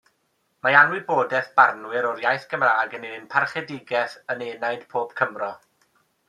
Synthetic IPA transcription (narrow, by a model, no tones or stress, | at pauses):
majanwɪboːdɛθb̥arnwɪɾɔɾjajθɡ̥əmraːɡənɪɪnpʰarχɛdɪɡɛθəneːnajd̥pʰoːb̥kʰəmrɔ